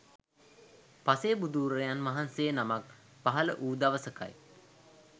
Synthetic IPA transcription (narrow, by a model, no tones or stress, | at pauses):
pasejəbud̪uːɾəjanʋaɦansejənamak | paɦalə̰ʔuːd̪aʋəsəka̰j